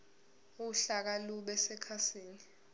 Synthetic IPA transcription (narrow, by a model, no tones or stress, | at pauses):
uuɬak̬aluɓɛsɛkʰasiːni